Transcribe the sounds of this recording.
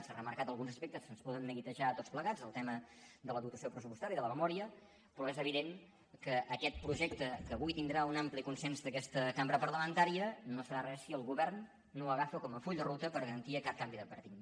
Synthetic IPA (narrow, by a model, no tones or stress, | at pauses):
sarəməɾkat̪əlˠɣunzəspɛk̚t̪əsənspɔðənːəɣit̪əʒaət̪otspləɣad͡zəlˠt̪ɛməd̪ələðut̪əsiopɾəsupust̪aɾjəiðələməmɔɾiə | pɾɔezəβiðeŋ | kəʔːkɛt̪̚pɾuʒɛk̚t̪əkəːβujt̪ind̪ɾaunamplikunsɛnzðəkɛst̪əkambɾəpərləmənt̪aɾiənosəɾarɛsiəlˠɣuβɛrnː | oəɣafəkɔməfuʎd̪ərut̪əpəɾɣəɾənt̪iəkap̚kambiðəpəɾt̪in